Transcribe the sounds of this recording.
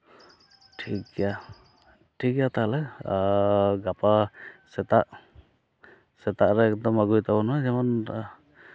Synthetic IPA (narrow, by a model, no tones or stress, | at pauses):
ʈʰikja | ʈʰikjat̪alɛ | ɡapasɛt̪aʔ | sɛt̪aʔɹɛɛk̚d̪ɔmaɡujt̪ʰabɔnazɛmɔn